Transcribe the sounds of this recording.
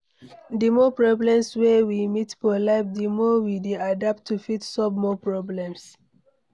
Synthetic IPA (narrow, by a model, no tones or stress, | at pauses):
dimɔpɹɔblɛ̃mswɛwimitfɔlaɪp̚dimɔwideadap̚tʰːufitsɔvmɔpɹɔblɛ̃ms